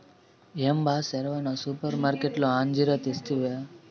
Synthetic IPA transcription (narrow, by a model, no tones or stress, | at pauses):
embaseɾʋanosupəɾmaɾkeʈloand͡ʒiɾət̪ist̪ʰiʋ